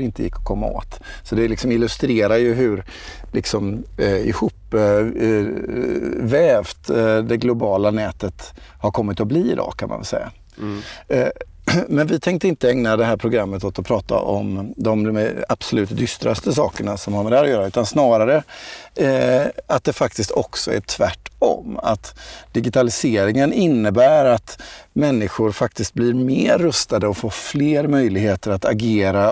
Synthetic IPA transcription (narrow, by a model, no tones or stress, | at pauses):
ɾɪnt̪əjɪ̰kːɔ̥kʰɔmːa̰o̰ːt̪sɔd̪ɛlɪksɔmɪlɵst̪ɾeːɾajɵɦɵɾ | lʔɪ̰ksɔmɪ̰huːpː | vɛːvt̪d̪ɛɡlʊbɑːlanɛːt̪ət̪haɾkʰɔmːɪt̪ɔbliːɪd̪ɑ̰ːkʰanma̰vɛ̰lsɛ̰jːa̰ | mɛnvɪt̪ʰɛŋk̚t̪əɪnt̪əɛŋnad̪ɛɦæːɾpʰɾʊɡɾamːət̪ɔt̪ɔpʰɾɑːt̪a̰ʔɔmd̪ɔmmab̥sɔlʉ̟ːt̪d̪ʏst̪ɾast̪əsɑːkəɳasɔmhaɾmɛd̪ɛhæɾɔjœːɾaʉ̟ːt̪ansnɑːɾaɾə | at̪̚d̪ɛfak̚t̪ɪst̪ɔksɔæ̰ʈ̪ʰvæʈːɔ̰ma̰t̪d̪̥ɪɡɪt̪ʰalɪseːɾɪŋənɪnːəbæːɾat̪mɛnːɪɧʊɾfak̚t̪ɪst̪̚blɪɾmeːɾːɵst̪ad̪əɔfoːfleːɾmœjlɪɡɦeːt̪əɾat̪aɡeːɾa